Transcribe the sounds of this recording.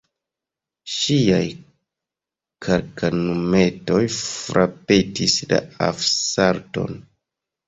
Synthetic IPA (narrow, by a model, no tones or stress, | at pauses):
ʃiaj | kʰaɾkanume̞to̞jfɾʔapetisla̰afsaɾto̞̰n